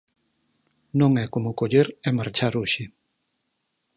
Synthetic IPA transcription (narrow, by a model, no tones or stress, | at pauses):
nõŋɛkomʊkoʎeɾɛmaɾt͡ʃaɾuʃɪ